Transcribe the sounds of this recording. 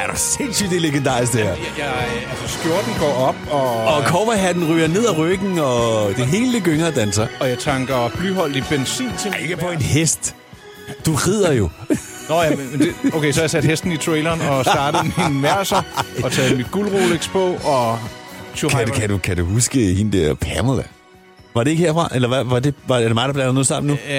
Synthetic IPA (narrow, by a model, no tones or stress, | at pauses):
æɐɾ̥ɑ̈sen̰syd̥eleɡ̥end̥ɑ̈ːʁisɡd̥æ̰ɐ̰ | jɑ̈ | ælsɐsɡ̥jo̝ɐd̥n̩ɡ̥ɒ̰ːɒ̽b̥ɒ̽ɒkʰɒmɐɦæd̥n̩ʁyːɐne̝ð̞̰ˠæʁœɡ̥n̩ɒ̽d̥e̝ɦe̝ːləl̥eɡ̥øŋɐd̥ænsɐɒ̽jɑ̈ɪt͡sʰɑ̈ŋɡ̥ɐb̥lyɦɒ̽l̰d̥ib̥ensḭːnt͡sʰeeɡ̥əpʰɒ̽e̝nɦesd̥ | d̥uʁið̰ˠɐjo̝nɒjæmmeneoʊkʰeɪsɒjasæd̥hesd̥n̩it͡sʰʁɛːlɐːnɒsd̥ɑ̈ːɾ̥ð̩ˠminmæɐsɐɒ̽t͡sʰɛːð̩ˠmid̥̚ɡ̥ulʁoːleɡ̥spʰɔɒ | t͡sʰukækʰæd̥ukʰæd̥uhusɡ̥əhind̥æɐpʰæɐmolæ | ʋɑ̈d̥e̝e̝ɡ̥he̝ɐ̰fʁɑ̈ʔelɐʋæʋɑ̈de̝ʋɑ̈æɐdemɑ̈ɪdɑ̈b̥lænð̩ˠnoð̰ˠsɑ̈m̰n̩ːu